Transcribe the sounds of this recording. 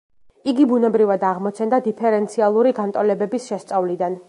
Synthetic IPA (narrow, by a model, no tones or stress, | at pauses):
iɡibunɛbɾivad̪aʁmɔt̪t͡ʃ̪ʰɛnd̪ad̪ipʰɛɾɛnt̪sʰialˠuɾiɡant̪ʼɔlɛbɛbisʃɛst̪sʼavlid̪an